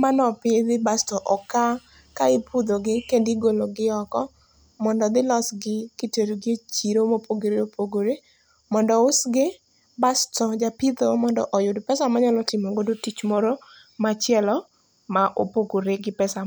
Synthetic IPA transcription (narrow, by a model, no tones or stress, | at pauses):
manɔpɪd̪ɪbastɔʔɔka | kaɪpʰud̪oɡɪkendiɡoloɡɪɔkɔ | mɔndɔd̪ɪlɔsɡɪkɪteɾɡet͡ʃiɾomopʰoɡoɾeopʰoɡoɾe | mɔndɔʊsɡɪ | bastɔd͡ʒapɪd̪omɔndɔ̰ʔɔjʊdpɛsamaɲalɔtɪmoŋɡodotit͡ʃmɔɾo | mat͡ʃjɛlɔ | maʔopoɡoɾeɡɪpɛsa